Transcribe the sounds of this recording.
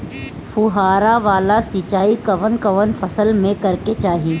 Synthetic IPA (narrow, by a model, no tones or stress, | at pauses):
fʊɦaːɾaʋaːlasit͡ʃaːikɐʋənkɐʋənfɐsəlmẽkɐɾket͡ʃaːɦi